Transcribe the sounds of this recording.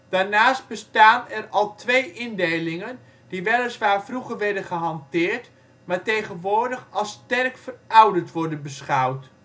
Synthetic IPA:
d̥aːɹnaːst̚bəstaːnɛrɑlˠtʰʋeːʔɪndejlɪŋən | d̥iʋɛlˠəsʋaːɹvruχəɹʋɛɹdənχəɦɑntɪːɹt | maːɹtejχənʋʊːɹdəχɑlˠstɛrkfərʌwdətʋɔɹdənbəsχawt

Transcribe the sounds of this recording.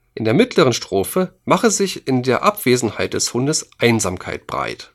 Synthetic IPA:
ʔɪndeːɐmɪtləʁənʃtʁ̥oːfəmaχəzɪçɪndeːɐʔapv̥eːzn̩haɪt̚d̥ɛshʊndəsʔaɪnzaːmkʰaɪt̚b̥ʁa̰ɪt

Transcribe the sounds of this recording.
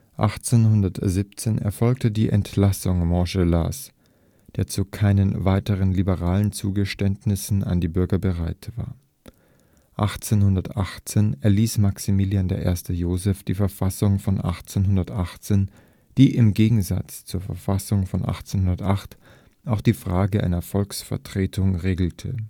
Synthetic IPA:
ʔa̰χt͡senɦʊndɐtzip̚t͡seːnʔɛ̰ɐfɔlk̚tədiːʔɛ̰ntlasʊŋmɔʒɛla̰s | d̥eːɐt͡sukʰaɪnənvaɪtəʁənlibəʁaːlənt͡suːɡəʃtɛntnɪsn̩a̰ndiːbʏɐɡɐbəʁaɪtv̥a̰ːɐ | ʔaχt͡seːnhʊndɐtʔaχt͡seːnɛɐliːsmaksimiːljandeːɐʔḛːɐstəjoːzɛfd̥iːfɛɐfasʊŋfɔnʔa̰χt͡senɦʊndɐtʔaχt͡seːn | d̥iːʔɪmɡeːɡŋ̩za̰t͡st͡suːɐfɛɐfasʊŋfɔnʔa̰χt͡senhʊndɐtʔaχt | ʔaʊxd̥iːfʁ̥aːɡəʔa̰ɪnɐfɔlksfɛ̰ɐtʁ̥eːtʰʊŋʁeːɡl̩tʰə̰

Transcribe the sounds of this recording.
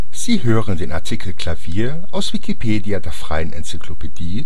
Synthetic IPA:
z̥iːɦøːʁəndeːnʔa̰ɐtʰikʰl̩kʰl̥aviːɐ | ʔaʊsv̥ikʰipʰeːdiadeːɐfʁ̥a̰ɪənʔɛ̰nt͡sikʰlopʰed̥iː

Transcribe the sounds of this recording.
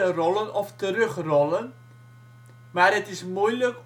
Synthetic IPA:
ərɔlənɔftərøχrɔlən | maːrətɪsmujlək

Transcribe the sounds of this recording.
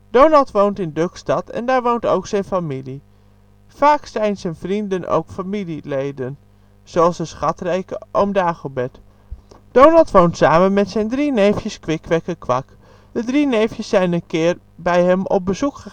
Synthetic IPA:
d̥ownɑlˠtʋowntɪndøkstɑtɛ̰ndaːɹʋowntowksɛjnfamili | faːksɛjnzɛjnvrindənʔo̰wkfamililejdən | z̥oɑlˠsəsχɑtrɛjkəʔomdaːχəbɛt | d̥ownɑlˠtʋowntsaːmənmɛtsɛjndrinejfjəskʋɪkʋɛkəkʋɑk | dədrinejfjəsːɛjnənkɪːɹ | bɛjɦɛmɔ̰p̚bəzukχə

